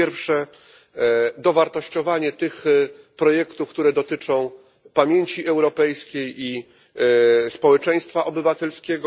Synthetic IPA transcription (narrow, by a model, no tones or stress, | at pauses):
ɛɾfʂɛ | d̪ɔvaɾt̪ɔɕt͡ɕɔvaɲɛt̪ɘx | pɾɔjɛkt̪ufkt̪uɾɛd̪ɔt̪ɘt͡ʂɔ̃w̃ | pamʲjeɲt͡ɕiʔɛwɾɔpɛjskʲeji | spɔwɛt͡ʂɛj̃st̪faʔɔbɘvat̪ɛlskʲɛɡɔ